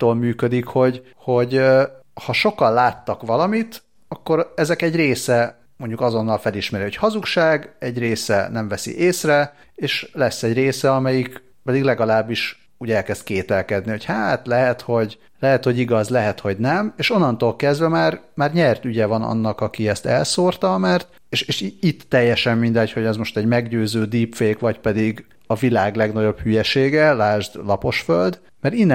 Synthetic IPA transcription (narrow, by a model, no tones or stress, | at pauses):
t̪oːlmyːkød̪ikho̞ɟ | ho̞ɟhɒʃo̞kɒnlaːt̪ːɒkʋɒlɒmit̪ | ɒkːo̞ɾɛzɛkɛɟreːsɛ | mo̞ɲɟukɒzo̞nːɒlfɛliʃmɛɾiho̞chɒzukʃaːɡɛɟreːsɛ̰nɛɱvɛsḭʔeːsrɛ | eːʃlɛsːɛɟreːsɛɒmɛjik | pɛd̪iɡlɛɡɒlaːbːiʃ | uːɟɛlkɛst̪̚keːt̪ɛlkɛd̪nio̞chaːt̪lɛɦɛt̪ho̞ɟ | lɛɦɛt̪ho̞ɟiɡɒzlɛɦɛt̪ho̞ɟnɛmeːʃo̞nːɒnt̪oːlkɛzd̪vɛmaːrmaːrɲɛrt̪yɟɛvɒnɒ̰nːɒkɒkiɛst̪ɛ̰lsoːrt̪ɒmɛrt̪ | eːʃeːʃit̪ːɛjːɛʃɛmmind̪ɛcho̞ɟɛzmo̞ʃt̪ɛɟmɛɡɟøːzøːd̪iːpfeːkvɒcpɛd̪iɡ | ɒvilaːɡlɛɡnɒɟo̞b̥hyjɛʃeːɡɛlaːʒd̪lɒpo̞ʃføld̪ | mɛɾinː